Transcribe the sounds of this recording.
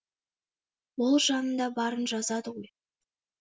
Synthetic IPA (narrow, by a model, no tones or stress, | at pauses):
bʊlˠʒɑnənd̪ɑbɑɾənʒɑzɑd̪əʁoj